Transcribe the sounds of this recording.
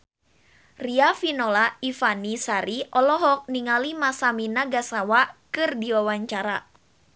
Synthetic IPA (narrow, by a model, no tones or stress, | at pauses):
riafinolaifanisaɾiʔɔlɔɦɔk̚niŋalimasaminaɡasawakɨrdiwawaɲt͡ʃaɾa̰